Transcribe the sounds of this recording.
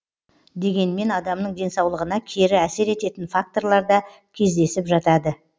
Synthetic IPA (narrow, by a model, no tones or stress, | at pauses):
d̪e̞ɡʲe̞nme̞nɑd̪ɑmnəɴd̪e̞nsɑwlˠəʁənɑkʲʰeɾɪæse̞ɾe̞t̪e̞t̪ɪnfak̚t̪o̞ɾlˠɑɾd̪ɑ | kʲʰe̞zd̪e̞sɪpʒɑt̪ɑd̪ə